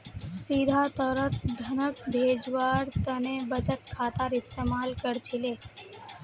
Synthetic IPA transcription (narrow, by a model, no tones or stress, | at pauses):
siːd̪ʱat̪ɔːɾət̪d̪ʱɐnəkbʱeːd͡ʒʋaːɾt̪ɐnebət͡ʃət̪kʰaːt̪aːɾɪst̪eːmaːlkəɾt͡ʃʰɪleː